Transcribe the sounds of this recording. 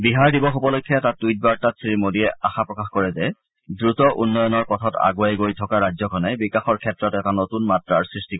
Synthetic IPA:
biɦaɹdibɔxupɔlojkʰːijatat̚ːujt̚baɹtasʰɹimodiɛʔaxapɹɔkaxkɔɹɛzɛ | dɹutɔʔunːɔjɔnɔɹkɔtʰɔta̰ɡuajɡojtʰɔkaɹazɔkʰɔnajbikaxɔɹkʰɛtːɹɔtɛtanotunmatɹaɹsɹistikɔ

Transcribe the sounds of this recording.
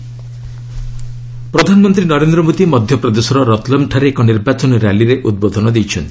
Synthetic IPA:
pɾɔd̪ʱanɔmɔnt̪ɾinɔɾend̪ɾɔmod̪imɔd̪ʱjɔpɾɔd̪esɔɾɔɾɔt̪lɔmʈʰaɾeːkɔniɾbat͡ʃɔnɔɾaliɾeʔud̪̚bod̪ʱɔnɔd̪ejt͡ʃʰɔnt̪i̥

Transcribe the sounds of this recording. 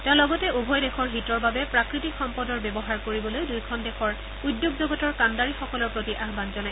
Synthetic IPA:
tɛ̃ʊ̃lɔɡɔtɛubʱɔjdɛxʰɔɹɦitɔɹbabɛpɹakɹitikxɔmpɔdɔɹbɛbɔɦaɹkoɹibɔlojdujkʰɔndɛxʰɔɹ | udːjoɡzoɡɔtɔɹkandaɹixɔkɔlɔɹpɹotiʔaɦbanzɔnaj

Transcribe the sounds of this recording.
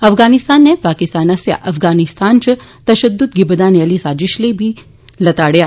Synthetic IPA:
ɐfɡaːnɪst̪aːnːepaːkɪst̪aːnɐsja̰ʔɐfɡaːnɪst̪aːnt͡ʃɐt̪ɐʃəd̪ːʊt̪̚ɡɪbəd̪aːneɐlisaːd͡ʒɪʃlebʱi | lɐt̪aːɽjaː

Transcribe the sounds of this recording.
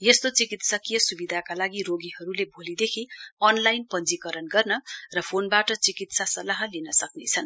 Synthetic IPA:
jest̪ot͡sikit̪sʌkijʌsubid̪ʱakalaɡiroɡiɦʌɾulebʱolid̪ekʰiʌnlajnpʌnd͡zikʌɾʌnɡʌrnʌrʌpʰonbaʈʌt͡sikit̪sasʌlaɦʌlinʌsʌknḛt͡sʰʌn

